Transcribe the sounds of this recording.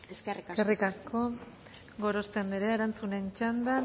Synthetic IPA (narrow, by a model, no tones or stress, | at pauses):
kerikaskʰo̞ | ɡo̞ɾo̞st̪end̪iɾeeɾant͡sune̞nt͡ʃand̪a